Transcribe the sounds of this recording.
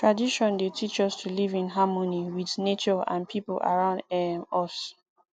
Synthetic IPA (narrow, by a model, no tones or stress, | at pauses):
tʰɹadiʃɔ̃ndetʰit͡ʃɔstʰulivĩnɦamoniwiðnet͡ʃɔã̰npʰiplʔa̰ɹãʊ̃ndɔs